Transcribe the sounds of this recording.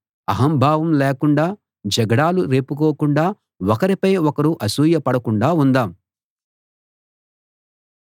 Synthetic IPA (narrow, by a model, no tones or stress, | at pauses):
ɐɦɐmbʱaːʋɐmleːkuɳɖaː | d͡ʒɐɡɐɽaːluɾeːpukoːkuɳɖaː | ɔkɐɾipɐjɔkɐɾuʔɐsuːjɐpɐɽɐkuɳɖaːund̪aːm